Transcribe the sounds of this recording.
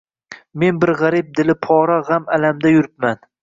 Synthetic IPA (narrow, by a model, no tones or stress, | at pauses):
me̞nbɪɾʁaɾɪp̚d̪ɪlɪpʰɒɾaʁamalamd̪ajʊɾɪp̪̚man